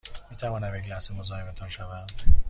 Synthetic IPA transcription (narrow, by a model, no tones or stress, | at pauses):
miːt̪ʰævɒːnæmjeklæsemozɒːhebet̪ʰɒnʃævænd̪̥